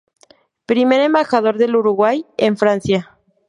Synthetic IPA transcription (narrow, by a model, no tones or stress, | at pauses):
pɾime̞ɾe̞mbaxað̞o̞ɾðe̞luɾuɣwajeɱfɾansja